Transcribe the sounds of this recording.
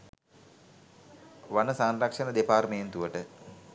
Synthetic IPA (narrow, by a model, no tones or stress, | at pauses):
ʋanəsaːnrɐkʂɐnəd̪epaːɾmejent̪uʋəʈə